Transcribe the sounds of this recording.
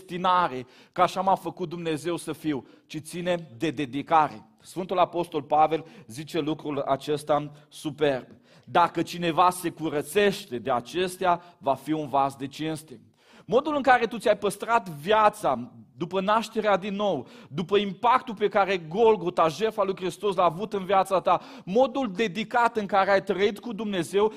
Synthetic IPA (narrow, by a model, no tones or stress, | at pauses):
t̪inaɾe | kaʃamafəkut̪̚d̪umne̞ze̞wsəfiw | t͡ʃit̪sine̞d̪e̞d̪e̞d̪ikaɾe̞̰ | sfɨnt̪ulapo̞st̪o̞lpave̞lzit͡ʃe̞lukɾula̰t͡ʃe̞st̪asupe̞rb | d̪akət͡ʃine̞vase̞kuɾət̪se̞ʃt̪e̞d̪eat͡ʃe̞st̪eavafiunvazd̪e̞t͡ʃinst̪e | mo̞d̪ulɨŋkaɾe̞t̪ut̪sʲajpəst̪ɾat̪vjat̪sad̪upənaʃt̪e̞ɾead̪inːo̞wd̪upəimpak̚t̪upe̞kaɾe̞ɡo̞lɡo̞t̪aʒe̞rfalujkɾist̪o̞slaːvut̪ɨnvjat̪sat̪a | mo̞d̪uld̪e̞d̪ikat̪ɨŋkaɾeajt̪ɾəit̪kud̪umne̞ze̞w